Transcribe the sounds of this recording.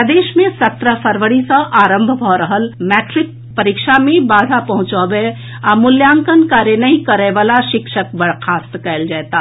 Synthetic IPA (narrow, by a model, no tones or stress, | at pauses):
d̪eːʃmẽsət̪ɾəpʰəɾʋəɽisə̃ʔaːɾə̃mbʱbʱɔɾəɦəlmɛːʈɾɪk̚ | pəɾikʃamẽbaːd̪ʱapɐɦʊ̃t͡ʃɔbe | amʊljaːŋkənkaːɾjənəɦĩkəɾeʋaːlaʃɪkʃək̚bəɽ̤kʰaːst̪kɛɪld͡ʒaːt̪a